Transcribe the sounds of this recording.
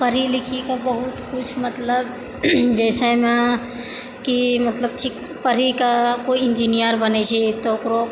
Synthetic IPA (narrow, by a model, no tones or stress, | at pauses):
pəɾilikʰikabəɦut̪kut͡ʃʰmət̪ləb | d͡ʒɛːsɛme | kimət̪ləbt͡ʃʰik | pəɾikakoind͡ʒinijəɾbənɛt͡ʃʰit̪okɾo